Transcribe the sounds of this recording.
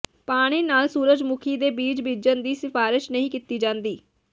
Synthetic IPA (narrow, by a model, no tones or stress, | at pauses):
paːɽ̃iːnaːlsuːɾəd͡ʒmʊkʰiːd̪eːbiːd͡ʒbid͡ʒənd̪iːsɪfaːɾɪʃnəɦĩːkit̪iːd͡ʒãːnd̪iː